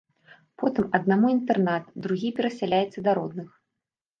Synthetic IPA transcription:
pɔt̪ɨmɐd̪̚namuint̪ɛrnat̪d̪ɾuɣʲipʲɛɾɐsʲalʲajɛt̪sːɐd̪aɾɔd̪nɨx

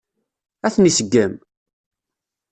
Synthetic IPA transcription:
æθnisəɡːəm

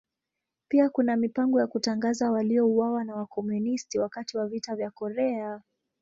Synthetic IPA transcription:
piakunamipaŋɡɔjakutaŋɡazawaliɔuwawanawakɔmunistiwakatiwavitavjakɔɾɛa

